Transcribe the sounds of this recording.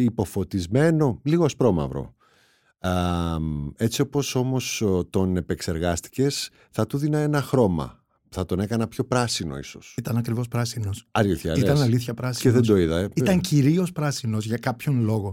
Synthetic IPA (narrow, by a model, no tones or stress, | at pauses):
ipo̞fo̞t̪izme̞no̞liɣoɐspɾo̞mɐ̰vɾo̰ | me̞t͡siopo̞so̞mo̞st̪o̞ne̞pe̞kse̞ɾɣɐst̪i̥ce̞s | θɐt̪uðinɐe̞nɐxɾo̞mɐ̰ | pθɐt̪o̞ne̞kɐnɐpço̞pɾɐsino̞̰iso̞̰sit̪ɐnɐkɾivospɾɐsinosɐɾoθɐ̰it̪ɐnɐliθçɐpɾɐseðend̪o̞iðɐit̪ɐŋciɾio̞spɾɐsino̞zʝɐkɐpço̞nlo̞ɣo̞